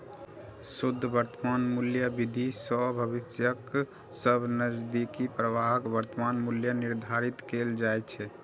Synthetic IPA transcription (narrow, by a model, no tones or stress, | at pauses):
sud̪ʱːbəɾt̪əmanmuljəbid̪ʱisɔbʱəbisjək | səbʱnəzd̪ikipɾəʋaɦəkbəɾt̪əmanmuljəniɾd̪ʱaɾit̪keld͡ʒajt͡ʃʰɛ